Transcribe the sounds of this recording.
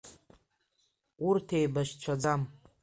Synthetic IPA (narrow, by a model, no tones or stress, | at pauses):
urtʰejbaʃt͡ʃʷʰad͡zam